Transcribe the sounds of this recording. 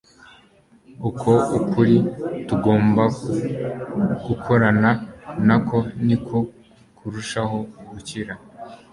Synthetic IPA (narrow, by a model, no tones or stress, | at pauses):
ukʰo̞ukʰuɾituɡo̞ːmba | ɡ̥ukʰo̞ɾananakʰo̞nikʰo | kuɾuʃaɦo̞ɡuciɾa